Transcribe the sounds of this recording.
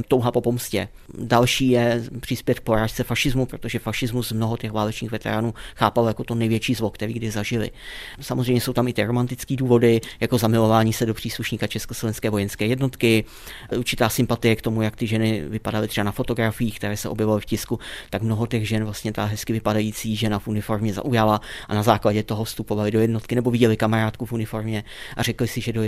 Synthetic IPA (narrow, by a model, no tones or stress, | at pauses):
t̪owɦapo̞po̞mscɛ̰ | dalʃiːjɛpr̝̥ɪspjɛt̪̚k̚po̞ɾaːʃt͡sɛfaʃɪzmupɾot̪o̞ʒɛfaʃɪzmusmno̞ɦot̪ɛxvaːlɛt͡ʃɲiːxvɛt̪ɛ̰ɾaːnuːxaːpalojako̞t̪o̞nɛjvjɛt͡ʃiːzlokt̪ɛɾiːɡdɪzaʒɪlɪ̰samʔozr̝ɛjmɲɛsowt̪amɪt̪ɪɾo̞mant̪ɪt͡skiːduːvo̞dɪjako̞zamɪlo̞vaːɲiːsɛdopr̝̥iːsluʃɲiːkat͡ʃɛskoslovɛnskɛːvo̞jɛnskɛːjɛdno̞t̪kɪ | ʔuɾt͡ʃɪt̪aːsɪmpat̪ɪjɛkt̪o̞mujakt̪ɪʒɛnɪvɪpadalɪt̪r̥ɛbanafo̞t̪o̞ɡɾafɪjiːxk̚t̪ɛɾɛːsɛʔo̞bjɛvalɪfcɪskut̪akmno̞ɦo̞t̪ɛɣʒɛnvlast̪ɲɛt̪aɦɛskɪvɪpadajiːt͡siːʒɛnafʔunɪfo̞ɾmɲɛza̰ʔujalaʔa̰nazaːklaɟɛt̪o̞ɦo̞fst̪upo̞valɪdo̞jɛdno̞t̪kɪnɛbo̞vɪɟɛlɪkamaɾaːt̪kufunɪfo̞ɾmɲɛ | ʔarɛklɪsɪʒɛdo